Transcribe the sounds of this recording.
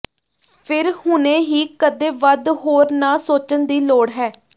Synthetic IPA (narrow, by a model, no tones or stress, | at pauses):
pʰɪɾhʊnẽːɦiːkəd̪eːʋəd̪ɦoːɾnaːsoːt͡ʃənd̪iːloːɽɦɛː